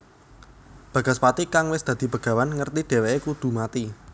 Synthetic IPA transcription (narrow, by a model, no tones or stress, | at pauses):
b̥ä̤ɡ̥a̤spat̪ikaŋwɪsd̪̥a̤d̪̥i̤pəɡ̥ä̤wanŋərt̪iɖ̥e̤weekud̪̥ṳmat̪i